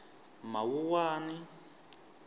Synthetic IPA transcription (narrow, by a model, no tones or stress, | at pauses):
mawuwaːni